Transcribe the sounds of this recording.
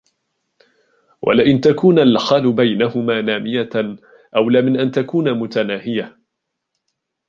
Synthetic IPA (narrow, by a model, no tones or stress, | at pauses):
wʔa̰lɪʔɪnt̪akuːnalxalʊbajnahʊmaːnaːmɪja | ʔawlaːmɪnʔant̪akuːnamʊt̪anaːhɪja